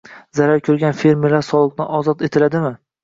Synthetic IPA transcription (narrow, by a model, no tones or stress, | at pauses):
zaɾaɾkʲʰɵɾɡʲanfe̞ɾmeɾlːaɾsɒlˠɨq̚nɪʔɒzɒt̪e̞t̪ʰɪlad̪ɪmɪ